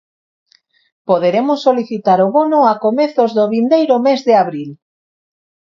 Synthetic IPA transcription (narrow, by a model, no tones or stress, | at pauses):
poðeɾemʊsːoliθit̪aɾoβonʊakomeθozðoβind̪ejɾomezðɪaβɾil